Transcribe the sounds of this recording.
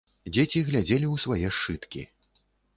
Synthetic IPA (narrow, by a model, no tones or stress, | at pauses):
d͡zʲet͡sʲiɣlʲad͡zʲelʲiwsvajɛʂt͡ʂɨt̪kʲḭ